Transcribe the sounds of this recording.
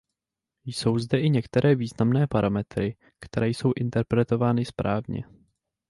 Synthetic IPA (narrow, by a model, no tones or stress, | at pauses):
jso̞wzdɛʔɪɲɛkt̪ɛɾʔɛːviːznamnɛːpaɾʔamɛt̪ɾɪ | kt̪ɛɾɛːjso̞wʔɪnt̪ɛɾpɾɛt̪o̞vaːnɪspɾʔaːvɲɛ̰